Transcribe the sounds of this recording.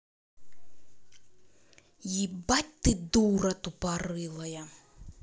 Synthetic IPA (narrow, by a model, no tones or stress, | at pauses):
jibat̚ʲt̪ɨd̪uɾɐt̪upaɾɨlˠɐjɐ